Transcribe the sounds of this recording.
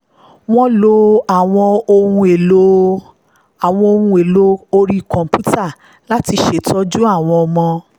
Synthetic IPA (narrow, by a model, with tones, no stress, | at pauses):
w̃ɔ̃˦lo˦a˦˨w̃ɔ̃˧o˧hũ˧e˨lo˨˦ | a˨w̃ɔ̃˧o˧hũ˧e˨lo˦o˧ɾi˦˨kɔ̃˨m˨pu˦ta˦˨ | la˦ti˧ʃe˨tɔ˦d͡ʒu˦a˦˨w̃ɔ̃˧ɔ˧mɔ̃˧